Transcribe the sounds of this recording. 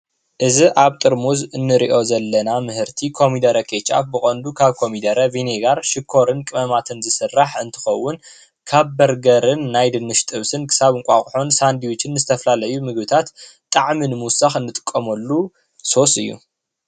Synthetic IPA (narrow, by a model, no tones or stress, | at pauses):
ʔɨziʔaβt̪ʼɨɾmuzɨnːɨɾḭʔo̞zɐlːɐnamɨhɨɾt̪ʰikʰo̞mid̪ɐɾɐkʰet͡ʃʼa̰fbɨxʼɐnd̪ukʰaβkʰo̞mid̪ɐɾɐvineɡaɾʃɪkʰo̞ɾɨnkʼɨmɐmat̪ʰɨnzɨsɨrːaħɨnt̪ʰɨ̥xɐwːʊn | kʰaβbɐɾɡɐɾɨnːajd̪ɨnːɨʃt̪ʼɨβsɨnkʰɨ̥saβɨŋkʷʼaxʼħonsand̪iwit͡ʃɪnːɨzɨt̪ʰɐfɐlalɐjumɨɡbɨt̪ʰat̪t̪ʼːaʕminɨmuwsaxɨnːɨt̪ʼɨ̥kʼːɐmɐlːu | so̞sɨ̰jːṵ